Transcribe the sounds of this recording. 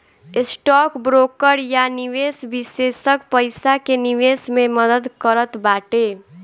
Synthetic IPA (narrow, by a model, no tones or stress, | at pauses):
ɪsʈɔkbɾoːkəɾjaniʋesbisesəkpəɪsakeniʋesmeməd̪əd̪kəɾət̪baːʈe